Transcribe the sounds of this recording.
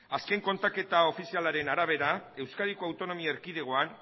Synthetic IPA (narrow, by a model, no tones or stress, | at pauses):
aske̞ŋko̞nt̪ake̞t̪ao̞fisialaɾe̞naɾaβ̞e̞ɾae̞wskaɾikoawt̪o̞no̞miaeɾkið̞e̞ɣ̞o̞an